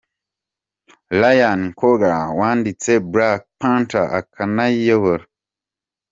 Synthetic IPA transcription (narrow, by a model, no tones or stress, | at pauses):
lajankoɡawandit͡sebɾak̚pãntaʔa̰kʰanajəβəɾ